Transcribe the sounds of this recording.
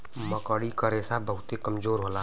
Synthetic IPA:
məkəɽikəɾesabəɦʊt̪ekəmd͡ʒoːɾɦola

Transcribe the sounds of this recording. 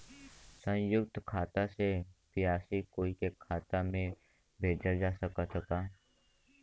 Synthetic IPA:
sə̃jʊkt̪kʰaːt̪asepijaːsikoːikekʰaːt̪amẽ | bʱeːd͡ʒad͡ʒaːsɐkasəkaː

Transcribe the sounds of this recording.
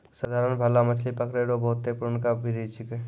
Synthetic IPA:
səd̪ʱaɾənbʱalamət͡ʃʰlipəkɾeɾobəɦʊt̪ːepʊɾnkabʱiɾit͡ʃike

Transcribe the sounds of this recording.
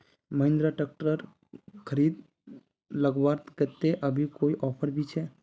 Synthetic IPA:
məɦɪ̃nd̪ɾaʈək̚ʈəɾ | kʰəɾiːd̪ | ləɡbaːɾt̪kɛt̪eʔəbʱikoːiʔɔːpʰəɾbʱit͡ʃʰɛː

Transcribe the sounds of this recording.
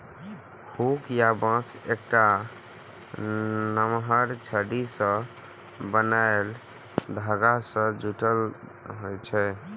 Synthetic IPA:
hukjabãsek̚ʈa | nəmɦəɾt͡ʃʰəɖisə̃ | bənael | d̪ʱaɡasə̃d͡ʒuʈəlɦojt͡ʃʰɛ

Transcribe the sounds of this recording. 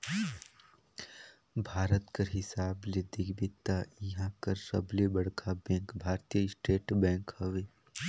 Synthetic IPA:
bʱaːɾət̪kəɾɦɪsaːbled̪ɪɡbɪt̪ːaiɦãkəɾːɐ̰blebɐɽkʰabɛ̃ːŋkbʱaːɾt̪ijəɪsʈeːʈbɛ̃ːŋkhɐʋeː

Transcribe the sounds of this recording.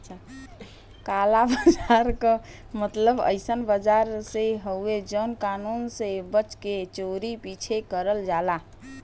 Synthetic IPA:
əʃʰa | kalabəd͡ʒaɾkə | mət̪ləbə̰ɪsənbəd͡ʒaɾseɦəed͡ʒənkanunsebət͡ʃket͡ʃoɾipit͡ʃʰekəɾəld͡ʒala

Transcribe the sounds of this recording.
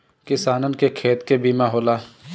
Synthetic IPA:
kɪsaːnənkekʰeːt̪kebiːmaɦoːlaː

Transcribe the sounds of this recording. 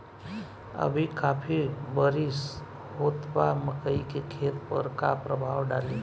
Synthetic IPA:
ə̰bʱikaːpʰibəɾis | ɦoːt̪baməkəikekʰeːt̪pə̰ɾkapɾəbʱaːwɖaːleː

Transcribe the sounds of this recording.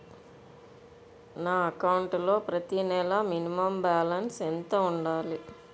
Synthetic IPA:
naːɐkɐwuɳʈlo̞ːpɾɐt̪inɛlɐminimɐmbaːlɐnsent̪ɐuɳɖaːli

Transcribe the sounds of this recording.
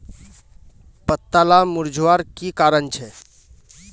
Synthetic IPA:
pət̪ːalamʊɾd͡ʒʱʋaɾkikaːɾənt͡ʃʰɛ

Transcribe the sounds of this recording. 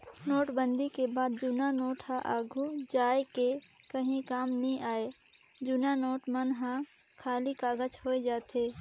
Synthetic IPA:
noːʈbənd̪ikebaːd̪d͡ʒʊnanoːʈɦãʔaːɡʱud͡ʒaːekekəɦĩkaːmnəɦĩʔaːed͡ʒʊnanoːʈmənɦã | kʰaːlikaːɡət͡ʃhoːed͡ʒaːt̪ʰeː

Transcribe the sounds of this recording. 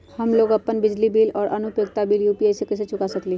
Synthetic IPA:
hɐmloːɡɐpːənbɪd͡ʒlibiːlɔːɾʔɐnʊpjoɡt̪abiːljuːpiasekɪset͡ʃʊkasəkliː

